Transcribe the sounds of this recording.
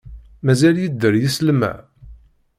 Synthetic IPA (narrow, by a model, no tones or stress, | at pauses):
mæzæljəd̪ːəɾjislmæ̰